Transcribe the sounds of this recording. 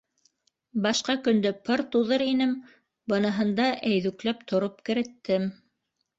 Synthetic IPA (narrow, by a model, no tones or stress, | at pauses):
bɑʃqɑkɵ̆nd̪ɘpɤɾt̪uðɤɾinɘm | bɤ̆nɤ̆ɦɤ̆nd̪ɑʔæjðʉklæpt̪ʰŏɾop̚kɘ̆ɾɘ̆t̪ːɘm